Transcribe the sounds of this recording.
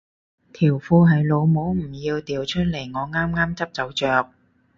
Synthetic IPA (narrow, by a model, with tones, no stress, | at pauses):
t̪ʰiː˨˩wfuː˧ɦɐ˨jlo˨˧wmo˨˥wm̩˨˩jiː˧wt̪iː˨wt͡ʃʰɵ˥t̚le˨˩jŋɔː˨˧ŋaː˥mŋaː˥mt͡sɐ˥p̚t͡sɐ˨˥wt͡ʃœː˨k̚